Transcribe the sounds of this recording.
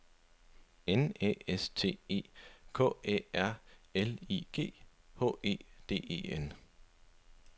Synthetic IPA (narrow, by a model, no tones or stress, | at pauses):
enḛːest͡sʰe̝̰ːe̝̰ːkʰɔ̰̽ːḛːæɐ̰eliːɡ̥e̝̰ː | hɔ̰̽e̝̰ːd̥e̝̰ːe̝̰ːen